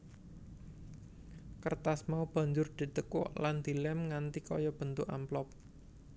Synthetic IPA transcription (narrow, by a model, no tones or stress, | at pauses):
kərt̪asmaub̥a̤ɲd͡ʒʊrd̪̥i̤t̪əkɔ̰ʔland̪̥i̤lɛmŋant̪ikɔ̰jɔb̥ənt̪ʊka̰mplɔp̚